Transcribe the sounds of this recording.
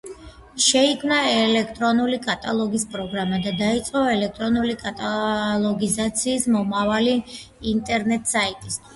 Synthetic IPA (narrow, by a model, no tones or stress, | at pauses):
ʃɛikʰmnaɛlɛkʰt̪ʼɾɔnulikʼat̪ʼalˠɔɡispʼɾɔɡɾamad̪ad̪ait̪sʼqʼɔɛlɛk̚t̪ʼɾɔnulikʼat̪ʼalˠɔɡizat̪sʰiːsmɔmavaliː | nt̪ʼɛɾnɛt̪ʼsait̪ʼist̪ʰwi̥s